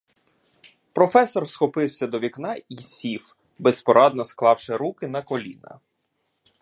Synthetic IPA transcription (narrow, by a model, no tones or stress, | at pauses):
pɾɔfɛsɔrsxɔpɪwsʲɐd̪ɔʋʲiknɑisʲif | bespɔɾɑd̪nɔsklˠɑwʃɪɾukɪn̪ɐkɔlʲḭnɐ̰